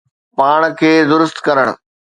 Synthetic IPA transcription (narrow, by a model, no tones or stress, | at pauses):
paːɽ̃kʰeːd̪ʊɾʊst̪kɐɾəɽ̰̃̆